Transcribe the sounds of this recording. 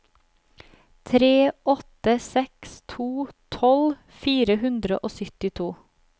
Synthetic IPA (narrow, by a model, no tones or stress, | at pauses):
t̪ʰɾeːʔɔt̪əsɛkst̪ʰuːt̪ʰɔl | fiːɾəhʉnd̪ɾəʔoːsʏt̪ɪt̪ʰuː